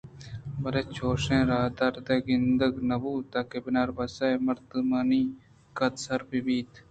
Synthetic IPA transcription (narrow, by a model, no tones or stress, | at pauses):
bɐɾet͡ʃʰoːʂẽːɾaːd̪aːɾd̪eːɡɪnd̪əɡnɐbuːt̪ɐkebɪnaːɾbɐsɐjmɐɾd̪maːniː | kɐt̪sɐɾbibiːt̪